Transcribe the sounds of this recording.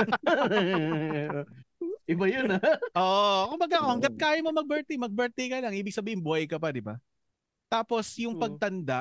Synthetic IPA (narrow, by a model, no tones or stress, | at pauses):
ʔɪbajonɐʔoːʔkʊmbɐɡakoɐŋd̪ɐt̪̚kaːjɐmomɐɡ̚bɛɹt̪ɛmɐɡ̚bɛɹt̪ɛjkɐlaŋʔiːbɪɡ̚sɐbiːhɪnbʊhɐjkɐpɐd̪ɪba̰ | t̪aːpo̞sjʊŋpɐɡ̚t̪ɐnd̪a